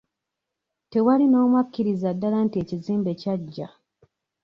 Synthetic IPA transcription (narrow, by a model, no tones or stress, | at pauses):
te̞walino̞ːmwakːiɾizadːalaːntie̞ːciziːmbe̞caɟːa